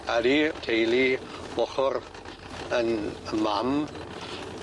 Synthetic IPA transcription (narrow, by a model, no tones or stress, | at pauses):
aditʰejlibɔχɔɾ | ənəmam